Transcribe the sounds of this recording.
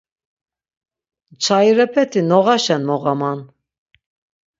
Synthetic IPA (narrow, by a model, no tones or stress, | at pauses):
t͡ʃʰajɾɛpʰɛt̪ʰinɔʁaʃɛnmɔɣaman